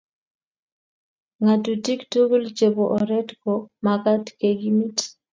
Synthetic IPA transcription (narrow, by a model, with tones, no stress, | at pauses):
ŋa˨tu˨ti˦kto˦ɡu˦lt͡ʃe˨bo˨ʔɔ˨ɾɛ˦tko˨ma˨ka˦tke˨ɡi˦mi˦t